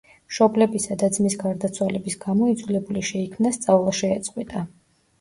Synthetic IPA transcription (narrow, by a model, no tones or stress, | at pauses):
ʃɔblɛbisad̪ad̪zmisɡaɾd̪at̪sʰwalɛbisɡamɔid̪zulɛbuliʃɛikʰmnast̪sʼavlˠaʃɛːt̪sʼqʼwit̪ʼa